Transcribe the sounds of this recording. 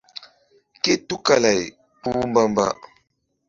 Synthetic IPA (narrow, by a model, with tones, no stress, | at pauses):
ke˦tu˦ka˨la˨j | pu˦mba˦mba̰˦